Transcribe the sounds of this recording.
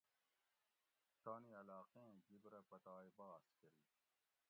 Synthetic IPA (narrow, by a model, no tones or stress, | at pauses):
t̪aːniɐlaːqẽɡibɾɐpɐt̪aːibaːskɐɾiː